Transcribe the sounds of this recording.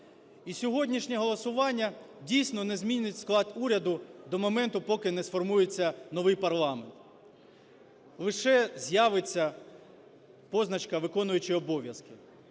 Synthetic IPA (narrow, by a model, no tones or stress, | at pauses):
isʲɔɦɔdʲnʲiʃnʲɛɦɔlˠɔsʊʋɑnʲːɐ | dʲijsʲnɔnɛzmʲinʲɪtʲsklˠɑd̪uɾʲɐd̪ʊd̪ɔmɔmɛnt̪ʊpɔkɪnɛsfɔrmujet͡sʲːɐnɔʋɪjpɐrlˠɑment̪ | lˠɪʃɛzʲjaʋɪt͡sʲːɐ | pɔznɐt͡ʃkɐʋɪkɔnʊjʊt͡ʃɪɔbɔʋʲjɐskɪ